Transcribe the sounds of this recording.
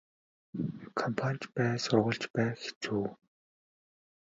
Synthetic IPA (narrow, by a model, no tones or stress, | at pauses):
kʰɔmpʰanʲt͡ɕpæːsʊrʁə̆ɮt͡ɕpæːxe̥t͡suː